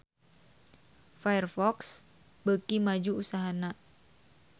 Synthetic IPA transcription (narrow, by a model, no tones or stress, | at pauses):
fajərfɔks | bəkimad͡ʒuusaɦana